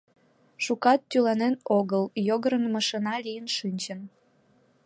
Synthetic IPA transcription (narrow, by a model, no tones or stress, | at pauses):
ʃukɑt̪ːylɑnenoɣəljoɣəɾənmɑʃənɑlijənʃɨnʲt͡ɕən